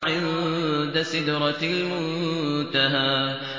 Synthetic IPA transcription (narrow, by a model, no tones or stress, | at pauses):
ʕɪ | d̪asɪd̪ɾˤɑlmʊt̪aɦaː